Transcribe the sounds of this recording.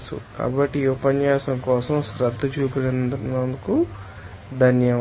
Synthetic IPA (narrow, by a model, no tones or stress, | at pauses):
sṵka̰ːbɐʈːiupɐnjaːsɐmkɔːsɐmsɾɐd̪ʱːud͡ʒuːkulɐnnd̪nɐnd̪uku | d̪ʱɐnjɐ